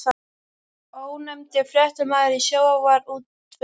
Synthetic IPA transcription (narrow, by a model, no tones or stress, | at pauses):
oːwnɛmt̪ɪfɾjɛht̪ʏmaːðɪɾisjoːwavaɾuːt̪